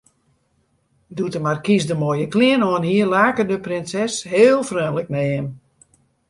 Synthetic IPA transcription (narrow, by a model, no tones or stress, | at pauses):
dutəmarkisdəmojəklɪənɔənhiərlaːkədəprɪnsɛsheːlˠfrøːnlək̚nɛɪm